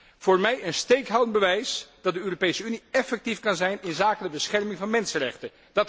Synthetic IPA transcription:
v̥ʊːɹmɛjənstejkɦawdənbəʋɛjsd̥ɑt̚dəøːropejsəyniɛfɛk̚tifkɑnzɛjnɪnzaːkədəbəsχɛɹmɪŋvɑnmɛnsərɛ̰χtə | d̥ɑt

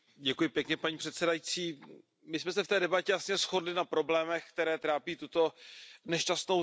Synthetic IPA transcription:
ɟɛkujɪpjɛkɲɛpaɲiːpr̝̥ɛt̪sɛdajit͡siː | mɪsmɛsɛft̪ɛːdɛbacɛjasɲɛsxo̞dlɪnapɾo̞blɛːmɛxkt̪ɛɾɛːt̪ɾaːpiːt̪ut̪o̞nɛʃcast̪no̞

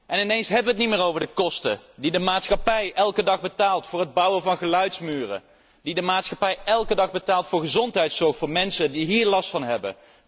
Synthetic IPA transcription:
ʔɛnɪnejnsɦɛbəʋəət̬nimɪːɹowvəɹdəkɔstədidəmaːtsχɑpɛjʔɛlˠkədɑχbətaːlˠtfʊːɹɦəd̚bɑwəvɑnχəlœɥtsmyːrə̰ | didəmaːtsχɑpɛjʔɛlˠkədɑχbətaːlˠtfʊːɹχəzɔntɦɛjtsɔɹχtfʊːɹmɛnsədiɦiːɹlɑstfɑnɦɛbə̰

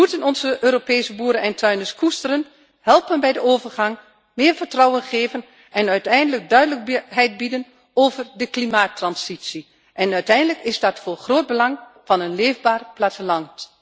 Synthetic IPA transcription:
mutənɔnzəʔøːɾopeːsəbuːɾənɛntʰœɥnəskʰustərən | hɛlˠpənbɛjdəoːvərχɑŋ | mɪːɹvərtrɑwənχeːvən | ʔɛnœɥtɛjndələɡ̚dœɥdələk̚ɦɛjt̚bidən | oːvərdəklimaːtːrɑnsitsi | ʔɛnœɥtɛjndələkɪzdɑtfʊːrχroːd̚bəlɑŋv̥ɑnənleːvbaːrplaːtəlɑnt

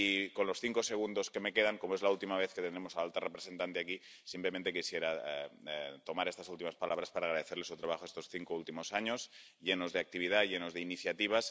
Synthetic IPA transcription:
iko̞nlo̞sθiŋkoseɣ̞und̪oske̞me̞keðaŋko̞moezlault̪imaβeθket̪enemosaalt̪arepɾese̞nt̪ant̪eaki | simplemẽnt̪e̞kisjeɾa | t̪o̞maɾest̪asult̪imaspalʔaβ̞ɾaspaɾaːɣɾaðeθeɾle̞sut̪ɾaβaxoest̪o̞sθiŋkoult̪imo̞saɲosʎenozðeak̚t̪iβiðaʝenozðeiniθjat̪iβ̞as

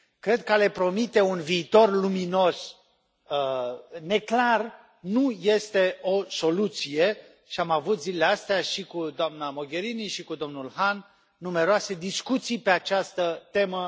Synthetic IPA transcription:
kɾe̞d̪̚kəale̞pɾo̞mit̪e̞unviːt̪o̞rlumino̞s | əne̞klar | nuje̞st̪e̞o̞so̞lut̪sije̞ | ʃiamavut̪zileleast̪eaʃikud̪oamnamo̞ɡʲe̞ɾiniʃikud̪o̞mnulhanː | ume̞ɾoased̪iskut̪sijpe̞at͡ʃast̪ət̪e̞mə

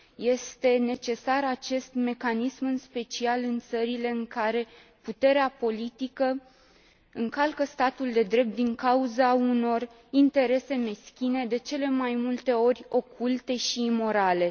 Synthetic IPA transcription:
je̞st̪e̞ne̞t͡ʃe̞saɾat͡ʃe̞st̪me̞kanismɨnspe̞t͡ʃialɨnt̪səɾile̞ɨŋkaɾe̞ | put̪e̞ɾeapo̞lit̪ikə | ɨŋkalkəst̪at̪uld̪e̞d̪ɾe̞p̚t̪̚d̪iŋkauzauno̞r | int̪e̞ɾe̞se̞me̞skʲine̞d̪e̞t͡ʃe̞le̞majmult̪e̞o̞rʲo̞kʰult̪e̞ʃiːmo̞ɾale̞

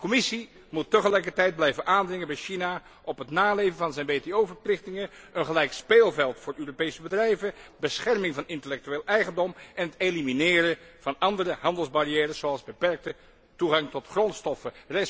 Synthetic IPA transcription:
əkɔmɪsi | mutːəχəlɛjkəɹtɛjd̚blɛjvənʔaːndrɪŋənbɛjʃina | ʔɔpɦətnaːlejvənvɑnzɛjnʋejteowvəɹplɪχtɪŋəənχəlɛjkspeːlˠvɛlˠtfʊːɹøːropejsəbədrɛjvəbəsχɛɹmɪŋvɑnɪntəlɛk̚tyeːlˠʔɛjχəndɔmʔɛnɦəteliminɪːɾəv̥ɑnɑndərəɦɑndəlˠzbarijɛːrəszoɑlˠzbəpɛɹk̚tə | tuχɑŋtɔtχrɔntstɔfərɛ

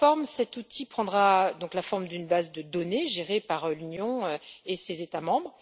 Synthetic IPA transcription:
ɔʁmsɛt̪ut̪ipχɑ̃d̪ʁad̪ɔ̃klafɔʁmd̪ynbazd̪əd̪ɔneʒeʁepaʁlynjɔ̃øesezet̪amɑ̃bʁ

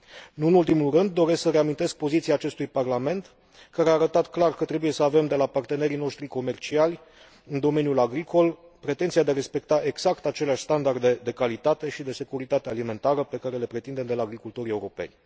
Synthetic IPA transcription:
nuɨnult̪imulrɨnd̪ːo̞ɾe̞sksəɾe̞amint̪e̞sk̚po̞zit̪siaːt͡ʃe̞st̪ujparlame̞nt̪ | kaɾeaːɾət̪at̪klarkət̪ɾe̞buje̞səave̞md̪e̞lapart̪e̞ne̞ɾino̞ʃt̪ɾiko̞me̞rt͡ʃialʲ | ɨnd̪o̞me̞njulaɡɾikʰo̞l | pɾe̞t̪e̞nt̪siad̪eaɾe̞spe̞k̚t̪aʔeɡz̥akt̪at͡ʃe̞leaʃʲst̪and̪ard̪e̞d̪e̞kalit̪at̪e̞ʃid̪e̞se̞kuɾit̪at̪ealime̞nt̪aɾəpe̞kaɾe̞le̞pɾe̞t̪ind̪e̞md̪e̞laːɡɾikult̪o̞ɾie̞uɾo̞pe̞̰nʲ

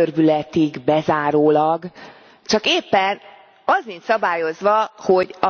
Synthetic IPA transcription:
ørbylɛt̪iɡbɛzaːɾoːlɒɡ | t͡ʃɒkeːpːɛn | ɒzinsɒbaːjo̞zʋɒho̞ɟɒ

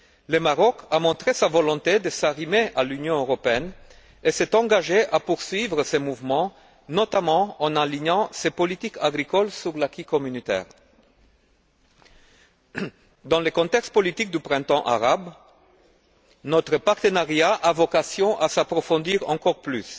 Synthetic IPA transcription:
ləmaʁɔkamɔ̃t̪χesavɔlɔ̃t̪ed̪əsaʁimeʔalynjɔ̃øʁɔpeɛn | esɛt̪ɑ̃ɡaʒeʔapuʁsɥivʁəsemuvmɑ̃ | nɔt̪amɑ̃ɑ̃naliɲɑ̃sepɔlit̪ikʰaɡʁikɔlsyʁlakikɔmynit̪ɛ̰ːʁ | d̪ɑ̃ləkɔ̃t̪ɛkst̪̚pɔlit̪ik̚d̪ypχɛ̃t̪ɑ̃ʔa̰ʁab | nɔt̪χəpaʁt̪ənaʁjaʔavɔkasjɔ̃ʔasapχɔfɔ̃d̪iʁɑ̰̃kɔʁplys

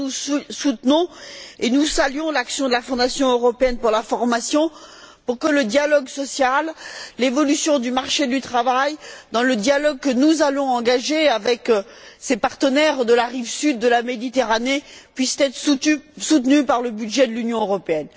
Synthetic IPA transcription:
usut̪nɔ̃enusalɥjɔ̃laksjɔ̃d̪əlafɔ̃d̪asjɔ̃øʁɔpeɛnpuʁlafɔʁmasjɔ̃ | puʁkələd̪jalɔɡsɔsjallevɔlysjɔ̃d̪ymaʁʃed̪yt̪χavajd̪ɑ̃ləd̪jalɔɡ̚kənuzalɔ̃ɑ̃ɡaʒeavɛksepaʁt̪ənɛʁd̪əlaʁivsyd̪ːəlamed̪it̪eʁanepɥist̪ɛt̪χsut̪nypaʁləbyd̪ʒɛd̪əlynjɔ̃øʁɔpeɛn

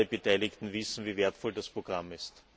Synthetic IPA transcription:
əbətʰaɪlɪktn̩vɪsn̩viːveːɐtfɔldaspʁ̥oɡ̥ʁamɪst

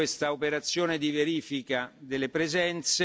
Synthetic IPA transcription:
est̪aopeɾat̪sːjoːned̪iveɾiːfikad̪elːepɾezɛnt̪se

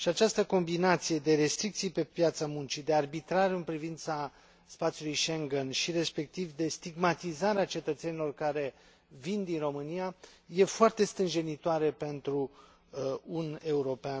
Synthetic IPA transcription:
ʃiat͡ʃast̪əko̞mbinat̪sije̞d̪e̞ɾe̞st̪ɾik̚t̪sijpe̞pjat̪samunt͡ʃid̪e̞arbit̪ɾaɾeɨnpɾivint̪sa | spat̪sʲiulujʃeŋɡenʃiɾe̞spe̞k̚t̪ivd̪e̞st̪iɡmat̪izaɾeat͡ʃe̞t̪ət̪se̞nilo̞rkaɾe̞ | vind̪inro̞mɨnijaje̞foart̪e̞st̪ɾɨnʒe̞nit̪oaɾepe̞nt̪ɾu | une̞uɾo̞pea

